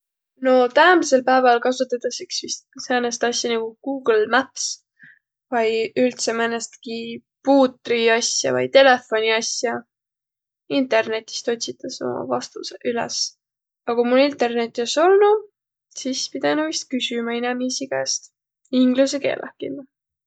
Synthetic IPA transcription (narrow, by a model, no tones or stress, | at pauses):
no̞t̪æːmse̞lpæevɑlkɑsut̪ːˑɑt̪ɑsiksvist̪̚seːnest̪ɑsʲjɑnɑɡ̥uɡ̥uːɡ̥lmæps | vɑjylt̪semænest̪ki | puːt̪ˑriɑsʲjɑ̰vɑ̰jt̪e̞le̞fo̞nʲiɑsjɑ | int̪ˑe̞rne̞t̪ʲːˑi̥st̪o̞t̪ʲsit̪ˑːɑso̞̰mɑ̰vɑst̪useʔylḛs | ɑkumulːint̪ˑe̞rne̞t̪ʲːˑoso̞lnu | sispid̪̥ɑnuvist̪̚kysʲymɑinɛmiːsiɡ̥æst̪ | iŋɡlus̬eke̞̰ːlʔæ̰kːinː